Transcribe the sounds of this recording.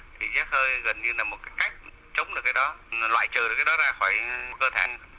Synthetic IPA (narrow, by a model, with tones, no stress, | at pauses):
t̪ʰi˨˩zə˦˥t̚həː˧jɣə˨˩nɲɨ˧laː˨˩mo˨˩t̚kaː˨˦jka˦˥jk̟̚ | t͡ɕə˨˦wŋ͡mɗɨ˨˩kːaː˨˦jɗɔ˨˦lwa̰ː˧˨jt͡ɕəː˨˩ɨ˨˩kaː˨˦jɗɔ˨˦zaː˧xɔː˧˩jkəː˧t̪ʰe˧˩